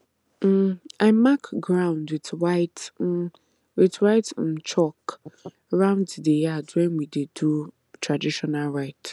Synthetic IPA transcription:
aɪmakɡɹãʊ̃ndwitwaɪt̩ | witɹaɪt̩t͡ʃɔk | ɹãʊ̃nddejadwɛ̃nwidedu | tɹadiʃɔnalɹaɪt

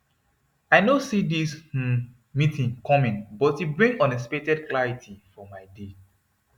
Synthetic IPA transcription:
aɪnosidis̩ | mitʰĩŋkɔmĩnbɔthibɹĩŋɔ̃nesi̥petɛdklaɹitʰifɔmaɪde

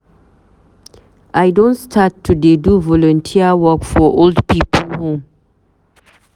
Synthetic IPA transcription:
ʔaɪdõntstʰatʰːudeduvɔlɔ̃ntʰiəwɔkfɔʔoldpipəlhõm

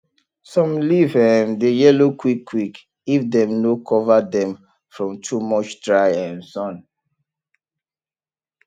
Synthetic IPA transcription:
sɔ̃mlivɛ̃ndejɛlokwikʰːwik | ifdɛ̃mnokʰɔvadɛ̃m | fɹɔ̃mtʰumɔt͡ʃdɹaɪɛ̃nsɔ̃n

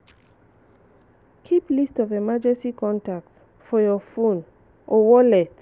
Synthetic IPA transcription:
kʰiplistɔvemad͡ʒɛstikʰɔ̃ntak̚t | fɔjɔfõn | ʔɔwɔlɛt

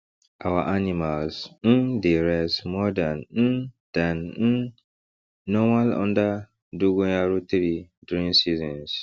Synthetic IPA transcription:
ʔawa̰ʔanimalsn̩diɾɛsmɔdan̩d̥an̩ | nɔmalɔ̰̃nda | duɡojaɾut̪iɾidɾĩnsizɔ̃ns

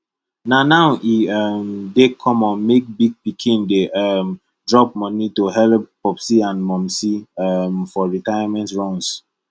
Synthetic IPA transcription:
nanaʊʔiɔmdekʰɔ̃mɔ̃nmek̚biɡ̚pikʰĩndeʔɛm | dɹɔpmɔnitoɦɛlppɔpsiãnmɔ̃msimfɔɹitajamɛ̃ntɹɔ̃ns

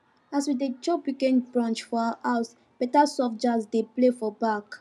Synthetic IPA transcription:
aswidet͡ʃɔpwikɛ̃ndbɹɔ̃nt͡ʃfɔaʔaʊs | b̥ɛtasɔfd͡ʒasdeplefɔbak

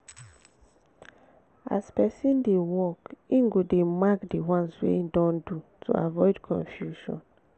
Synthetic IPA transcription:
a̰spɛsĩndewɔkĩŋɡodemakdiwãnswḛidɔ̃ndutʰṵa̰vɔɪdkʰɔ̰̃nfjuʃɔ̰̃n

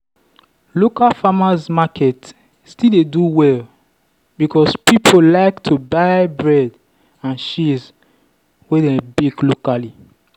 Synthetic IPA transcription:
lokalfamasmakʰɛt | stildeduwɛl | bikʰɔspipʰolaɪktʰubaɪbɹɛd | ãnʃiz | wedebiɡlokali

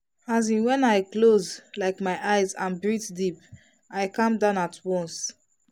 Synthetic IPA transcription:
azĩnwɛ̃naɪklozlaɪkmaɪʔaɪzãnbɹitdip | ajkãmdãʊ̃natʰwɔ̃ns

